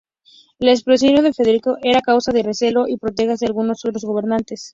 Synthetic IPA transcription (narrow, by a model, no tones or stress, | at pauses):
laes̬pɾos̬onjoðefeðeɾikoʔeɾakawsaðe̞rese̞lo̞ʔipɾot̪̬e̞ɣazðealɣuno̞sot̪ɾo̞zɣo̞β̞e̞ɾnant̪e̞s